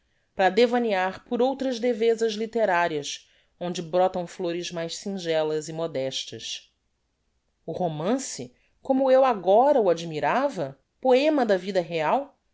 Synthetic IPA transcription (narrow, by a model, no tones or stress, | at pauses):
pɾɐd̪evɐniaɾpʊɾowt̪ɾɐzd̪evezɐzlit̪eɾaɾiɐs | õnd͡ʒɪbɾɔt̪ɐ̃w̃floɾɪzmajʃsĩʒɛlɐzɪmod̪ɛʃt̪ɐs | ʊhomɐ̃sɪ | kõmʊewaɡɔɾɐuad͡ʒimiɾavɐ | poẽmɐd̪ɐvid̪ɐɦeaw